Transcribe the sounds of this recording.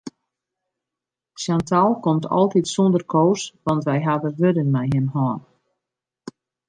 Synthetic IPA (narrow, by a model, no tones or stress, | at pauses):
sjantʰalˠkɔmtʰɔ̰lˠtitsɔndərkʰoːsʋɑntʋɛjɦadəʋødənmɛjɦənɦɔːn